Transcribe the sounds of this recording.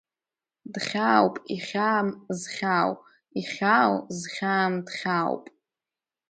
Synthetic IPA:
dχʲawpʼiχʲaːmzχʲaw | iχʲawzχʲaːmdχʲawpʼ

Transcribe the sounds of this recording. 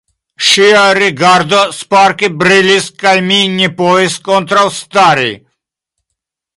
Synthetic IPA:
ʃiaɾiɡaɾd̪ɔspaɾkibɾiliskajminːipɔɛst̪̚kʼɔnt̪ɾawst̪aɾḭ

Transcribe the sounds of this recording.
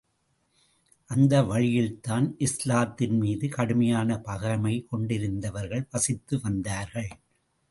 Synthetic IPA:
ʔɐnd̪ɐʋɐɻɪjɪlt̪aːnʔɪslaːt̪ːɪnmiːðɯkɐɽɯmɐjaːnɐpɐɣɐɾɐmɐɪkɔɳɖɪɾɯnd̪ɐʋɐɾɣɐɭpɐsɪt̪ːɯʋɐnd̪aːɾɣɐɭ

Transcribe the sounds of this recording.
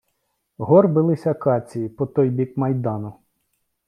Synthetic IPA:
ɦɔrbɪlˠɪsʲɐkɑt͡sʲijipɔt̪ɔjbʲikmɐjd̪ɑnʊ

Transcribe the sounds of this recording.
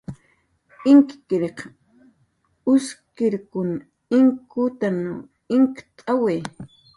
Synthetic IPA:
ɪŋkkɪɾeq | ʊskɪɾkʊn | ɪŋkʊt̪ano | ɪŋkt̪ʼaweː

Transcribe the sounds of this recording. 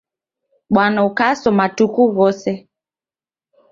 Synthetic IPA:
ɓwanaukasɔmatukuɣɔsɛ

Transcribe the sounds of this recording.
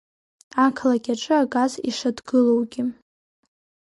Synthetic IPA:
akʰlaɡʲaʈ͡ʂʼɨaɡʼazḭʂadɡɨlowɡʲi

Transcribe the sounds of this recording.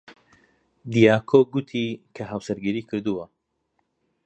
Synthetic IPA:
d̪ijaːkʰoɡut̪ʰikʰɐɦawsɐɾɡɨɾiːkʰɨɾd̪uwɐ

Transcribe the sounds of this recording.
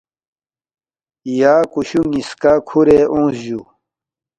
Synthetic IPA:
jaːkuɕumiskakʰuɾeʔõːsʑju

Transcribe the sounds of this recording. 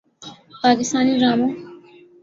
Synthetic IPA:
paːkɪst̪aːniɾaːmoː

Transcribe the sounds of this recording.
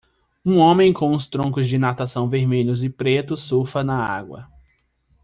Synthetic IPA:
ũõmẽj̃kõw̃ʊst̪ɾõkʊzd͡ʒɪnat̪asɐ̃w̃veɾmeʎʊzɪpɾet̪ʊsofɐnɐa̰ɡwɐ̰

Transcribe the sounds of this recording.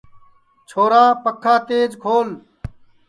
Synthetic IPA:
t͡ʃʰoːɾaːpəkʰːaːt̪eːd͡ʒkʰoːl

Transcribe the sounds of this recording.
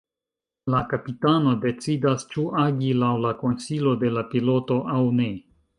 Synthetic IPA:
lakapitano̞de̞t͡sidast͡ʃuʔaɡilawlako̞nsilo̞de̞lapilo̞to̞ʔawne̞

